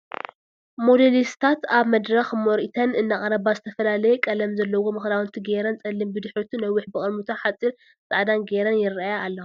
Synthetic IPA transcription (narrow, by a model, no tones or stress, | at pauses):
mo̞d̪elist̪ʰat̪aβmɐd̪ɾɐxmɔɾʔit̪ʰɐnɨnːaχʼɐɾɐβazɨt̪ʰɐfɐlalɐjɛkʼɐlɐmzɐlːɐwo̞mɨxlawnt̪ʰɨɡeɾɐnt͡sʼɐlːimbɨd̪ɨħɾut̪ʰunɐwːʊħbɨkʼɐlmut̪ʰaħat͡sʼːiɾ | t͡sʼaʕd̪anɡeɾɐnjɪɾajaːlːɐu